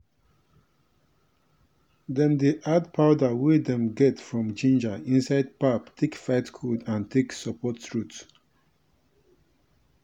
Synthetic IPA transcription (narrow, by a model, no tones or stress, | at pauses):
dɛ̃ndiʔadpʰaʊdawid̪ɛ̃mɡɛtfɹɔ̃md͡ʒĩnd͡ʒaĩnsaɪd̚paptʰekfaɪtkʰudãntʰeksəpʰɔttɹut